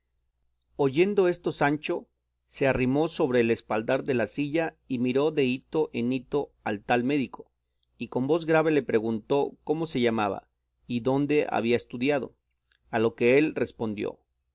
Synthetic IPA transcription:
o̞ʝe̞nd̪o̞e̞st̪o̞sant͡ʃo̞ | se̞arimo̞so̞βɾe̞ːlespald̪aɾðe̞lasiʝa | imiɾo̞ðe̞it̪o̞ʔe̞nit̪o̞alt̪alme̞ðiko̞ | iko̞mbo̞zɣɾaβe̞le̞pɾe̞ɣunt̪o̞ko̞mo̞se̞ʝamaβa̰ | iðo̞nd̪e̞ʔa̰βiaest̪uðjað̞o̞̰ | alo̞ke̞elre̞spo̞nd̪jo̞̰

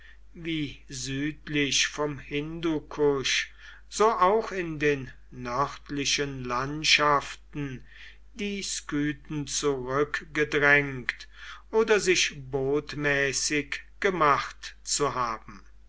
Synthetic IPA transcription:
viːzyːtlɪʃfɔmhɪndukʰʊʃ | z̥oːʔaʊxɪndeːnː | œʁtlɪʃənlantʃaftn̩ | diːskyːtn̩t͡suʁʏkɡ̥ədʁɛŋktʔoːdɐzɪʃboːtmɛːsɪkɡ̥əmaχtt͡suɦaːbm̩

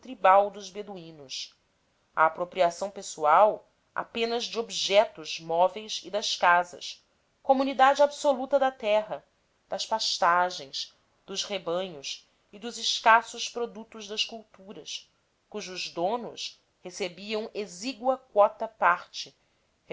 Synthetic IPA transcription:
t̪ɾibawd̪ʊzbed̪uĩnʊs | ɐ̰ːpɾopɾiasɐ̃w̃pesuaw | a̰pẽnɐzd͡ʒɪobiʒɛt̪ʊzmɔvejzid̪ɐʃkazɐ̰s | komunid̪ad͡ʒɪabsolut̪ɐd̪ɐt̪ɛɦɐ | d̪̥ɐʃpaʃt̪aʒẽj̃s | d̪̥ʊzhebɐ̃ɲʊs | ɪd̪ʊzɪʃkasʊʃpɾod̪ut̪ʊʒd̪ɐʃkuwt̪uɾɐs | kuʒʊzd̪õnʊs | hesebiɐ̃w̃eziɡuɐkwɔt̪ɐpaɾt͡ʃɪ | h

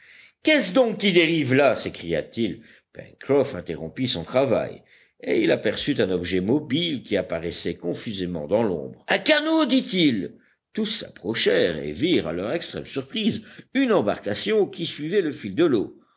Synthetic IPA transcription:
kɛsd̪ɔ̃kːid̪eʁivlasekχija̰t̪il | pɛ̰̃nkχɔfɛ̃t̪eʁɔ̰̃pisɔ̃t̪χava̰j | eilapɛʁsyt̪ɛ̃nɔbʒɛmɔbilkʲiapaʁɛsɛkɔ̃fyzemɑ̃d̪ɑ̃lɔ̰̃bʁɛ̃kanod̪it̪il | t̪usːa̰pχɔʃɛʁḛviʁa̰lœʁɛkst̪χɛ̰msyʁpχizynɑ̃ba̰ʁkasjɔ̃kʲisɥivɛləfild̪əlo̰

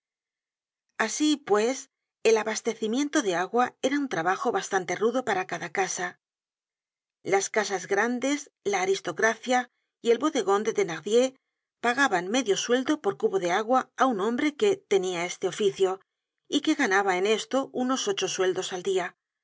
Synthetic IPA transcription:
asipwe̞s | e̞laβast̪e̞θimje̞nt̪o̞ðe̞aɣwae̞ɾaunt̪ɾaβaxo̞βast̪ant̪e̞ruðo̞paɾakaðakasa | laskasazɣɾand̪e̞s | laːɾist̪o̞kɾaθja | ie̞lβo̞ðe̞ɣo̞nd̪e̞ðe̞naɣðje̞ | paɣaβanme̞ðjo̞swe̞ld̪o̞po̞ɾkuβo̞ðe̞aɣwaːunõ̞mbɾe̞ke̞t̪e̞niae̞st̪e̞o̞fiθjo̞ | ike̞ɣanaβae̞ne̞st̪o̞uno̞so̞t͡ʃo̞swe̞ld̪o̞sald̪ia

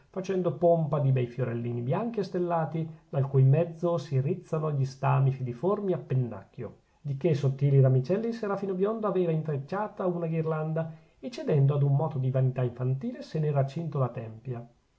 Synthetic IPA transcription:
fat͡ʃɛnd̪opompad̪ibɛjfjoɾelːiːnibjaŋk̟iest̪elːaːt̪id̪alkujmɛd̪zːosirit̪sːanoʎːist̪aːmifid̪iformiapːenːa̰kːjo̰ | d̪ik̟esot̪ːiːliɾamit͡ʃɛlːiseɾafiːnobjond̪oaveːvaint̪ɾet͡ʃːaːt̪aunaɡirland̪a | et͡ʃːed̪ɛnd̪oad̪umːɔːt̪od̪ivanit̪aiɱfant̪iːlesenerat͡ʃːint̪olat̪ɛmpja

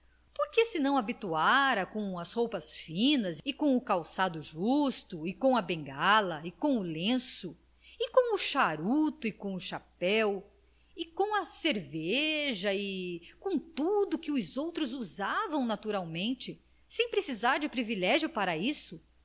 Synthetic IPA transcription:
poɾkesɪnɐ̃w̃abit̪uaɾɐkõw̃ɐshowpɐsfĩnɐzɪkõʊkawsad̪ʊʒust̪ʊɪkõw̃ɐbẽŋɡalɐɪkõw̃ʊlẽsʊ | ɪkõw̃ʊʃaɾut̪ʊɪkõʊʃapɛw | ɪkõw̃ɐseɾveʒɐɪkõt̪ud̪ʊkɪʊzowt̪ɾʊzuzavɐ̃w̃nat̪uɾawmẽnt͡ʃɪ | sẽj̃pɾesizaɾd͡ʒɪpɾivilɛʒjʊpaɾɐisʊ

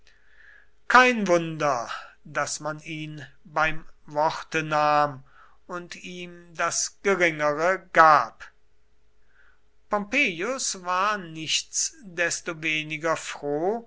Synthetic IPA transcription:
kʰaɪnvʊndɐdasmaniːn | baɪmvɔχtənaːm | ʊntiːmdasɡ̥əʁɪŋəʁəɡaːp | pɔmpeːjʊsvaːɐnɪçt͡sd̥ɛstoveːnɪɡɐfʁ̥oː

